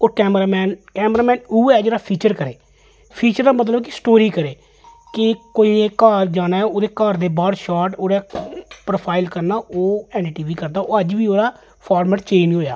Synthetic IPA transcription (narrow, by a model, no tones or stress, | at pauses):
oːkɛːmɾaːmɛːnkɛːmɾaːmɛ̃ːnuːɛːd͡ʒeːɽaːpʰiːt͡ʃəɾkəɾeː | pʰiːt͡ʃəɾd̪aːmət̪̬ləbkɪsʈoːɾiːkəɾeː | kɪkoːiːeːkaːɾd͡ʒaːnaːɛoːd̪eːkaːɾd̪eːbaːɽʃaːʈoːɽaːpɾoːpʰaːɪlkəɾnaːʔoːɛːnːʈiːʋiːkəɾd̪aːʔoːəd͡ʒʋiːoːɾaː | pʰaːɾmɛːʈt͡ʃeːnɦoːjaː